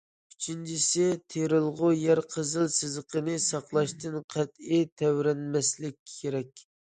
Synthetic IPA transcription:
yt͡ʃʰint͡ʃʰisɪt̪ʰeɾɨlˠʁʊjæɾqʰəzɨlˠsɨzəqʰənɨsɑqlˠɑʃt̪ɨnqʰɛt̪it̪ʰɛwɾɛnmɛslɪkʲʰːeɾɛkʲ

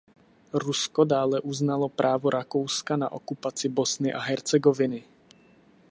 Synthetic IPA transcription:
ɾuskodaːlɛʔuznalo̞pɾʔaːvoɾʔako̞wskana̰ʔo̞kupat͡sɪbosnɪʔaɦɛɾt͡sɛɡovɪnɪ

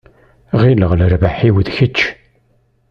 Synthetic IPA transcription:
ʁiləʁləɾvaħiwðçət͡ʃː

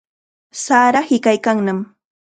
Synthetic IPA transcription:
saːɾahɪkajkaŋnam

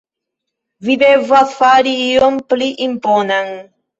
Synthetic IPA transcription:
vid̪evaθfaɾiiompliʔimponaŋ

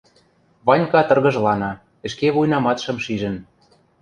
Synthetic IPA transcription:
βɑnʲkɑt̪ɤ̆rɣɤ̆ʒlɑnɑ | ɘ̆ʃkeβujnɑmɑt̪ʃɤ̆mʃiʒə̆n

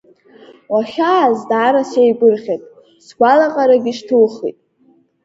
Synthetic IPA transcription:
waχʲaːzdʕaɾasejɡʷʼɨrχʲetʼ | sɡʷalaqʼaɾaɡʲɪʂtʰulχḭtʼ

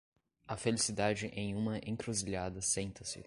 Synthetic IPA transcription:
ɐfelisid̪ad͡ʒɪʔẽj̃ũmɐʔẽŋkɾuziʎad̪ɐsẽnt̪ɐsɪ̰

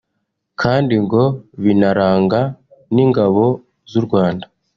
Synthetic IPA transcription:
kʰaːndiŋɡo̞βinaɾaːŋɡaniːŋɡaβo̞ | zuɾɡwaːnda

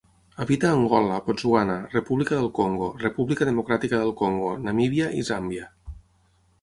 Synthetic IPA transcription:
aβit̪aːŋɡɔlapozwanarepuβlikaðəlˠkoŋɡorepuβlikaðəmokɾat̪ikaðəlˠkoŋɡonamiβjaʔḭzambja

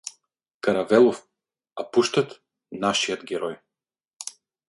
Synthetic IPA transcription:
kaɾavɛlˠɔf | apuʃt̪at̪ | naʃijɔd̪ɡʲɛɾɔj

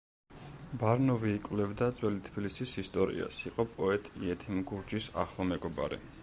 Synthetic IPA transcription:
baɾnɔviːkʼvlɛvd̪ad̪zʼwɛlit̪ʰbilisisist̪ʼɔɾḭa̰siqʼɔpʼɔɛt̪ʼiɛt̪ʰimɡuɾd͡ʒisa̰χlˠɔmɛɡɔba̰ɾḭ

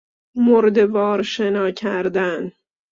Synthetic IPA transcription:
moɾd̪ebɒːɾʃenɒːcʰæɾd̪æn

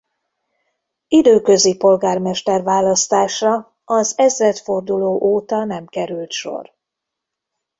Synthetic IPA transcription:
id̪øːkø̞zipo̞lɡaːrmɛʃt̪ɛrvaːlɒst̪aːʃɒ | ɒzɛzrɛt̪fo̞rd̪uloːʔoːt̪ɒnɛmkɛɾylt̪ʃo̞̰r

